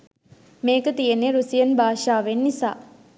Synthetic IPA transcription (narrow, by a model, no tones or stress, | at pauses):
meːkət̪ijeneɾusijənbaːʃaːʋenːisa̰ː